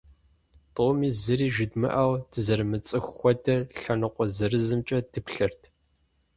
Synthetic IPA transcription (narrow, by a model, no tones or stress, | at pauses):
tʼoːmiːzɨriːʒɪdmɨ̰ʔɐwd̥ɨzɐɾɨmɨt͡sʼɨxʷxʷɔdɐɬɐnɨqʷɔzɐrɨzɨmt͡ʃʼɐd̥ɨpɬɐrtʰ